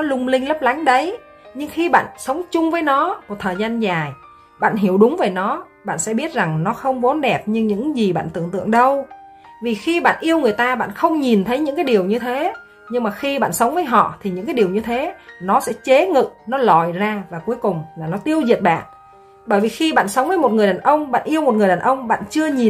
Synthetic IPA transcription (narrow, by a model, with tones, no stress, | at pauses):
nɔ˨˦lʊ˧ŋ͡mlï˧ŋ̟lə˦˥p̚la˨˦ŋɗə˨˦j | ɲɨ˧ŋxi˧ɓa̰ː˧˨nsə˨˦wŋ͡mt͡ɕʊ˧ŋ͡mvəː˨˦jnɔ˨˦mo˨˩t̚t̪ʰəː˨˩jza˧nzaː˨˩j | ɓa̰ː˧˨nɦi˧˩əwɗʊ˨˦ŋ͡mveː˨˩jnɔ˨˦ | ɓa̰ː˧˨nsɛ̰˧˥ɓi˦˥ət̚za˨˩ŋnɔ˨˦xə˧wŋ͡mvo˨˦nɗɛ˨˩p̚ɲɨ˧ŋɲɨ̰˧˥ŋzi˨˩ɓa̰ː˧˨nt̪ɨ̰˧˨əŋt̪ɨ̰˧˨əŋɗə˧w | vi˨˩xi˧ɓa̰ː˧˨nʔi˧əwŋɨ˨˩əjt̪aː˧ɓa̰ː˧˨nxə˧wŋ͡mɲi˨˩nt̪ʰə˨˦jɲɨ̰˧˥ŋkaː˨˦jɗi˨˩əwɲɨ˧t̪ʰe˨˦ | ɲɨ˧ŋmaː˨˩xi˧ɓa̰ː˧˨nsə˨˦wŋ͡mvəː˨˦jɦɔ̰˧˨t̪ʰi˨˩ɲɨ̰˧˥ŋkaː˨˦jɗi˨˩əwɲɨ˧t̪ʰe˨˦nɔ˨˦sɛ̰˧˥t͡ɕe˨˦ŋɨ̰˧˨nɔ˨˦lɔ˨˩jzaː˧vaː˨˩ku˨˦əjkʊ˨˩ŋ͡mlaː˨˩nɔ˨˦t̪i˧əwzi˨˩ət̚ɓa̰ː˧˨n | ɓəː˧˩jvi˨˩xi˧ɓa̰ː˧˨nsə˨˦wŋ͡mvəː˨˦jmo˨˩t̚ŋɨ˨˩əjɗaː˨˩nʔə˧wŋ͡mɓa̰ː˧˨nʔi˧əwmo˨˩t̚ŋɨ˨˩əjɗaː˨˩nʔə˧wŋ͡mɓa̰ː˧˨nt͡ɕɨ˧əɲi˨˩